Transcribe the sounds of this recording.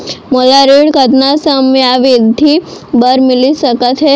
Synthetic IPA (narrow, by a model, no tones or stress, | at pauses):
molaɾiɽkət̪nasəmjaʋid̪ʱibəɾmilisəkət̪ɦe